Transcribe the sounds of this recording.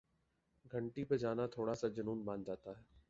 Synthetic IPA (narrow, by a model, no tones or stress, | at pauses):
ɡʱəɳʈiped͡ʒaːnat̪ʰoːɽasad͡ʒənuːnbãːnd͡ʒaːt̪aːɦɛː